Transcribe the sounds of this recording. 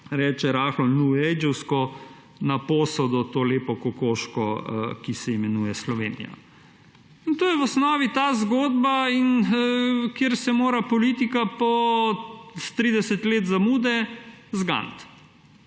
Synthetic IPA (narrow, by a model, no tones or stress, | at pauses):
ɾɛːt͡ʃɛɾaxlɔnuɛjd͡ʒɛwskɔ | napoːsɔd̪ɔt̪oːleːpɔkɔkoːʃkɔkisɛimɛnuːjɛslɔʋḛːnḭja̰ | int̪oːjɛwɔsnɔːʋit̪aːzɡoːd̪bain | kjeːɾsɛmoːɾapɔliːt̪ikapɔ | st̪ɾiːd̪ɛsɛt̪leːt̪zamuːd̪ɛzɡa̰nt̪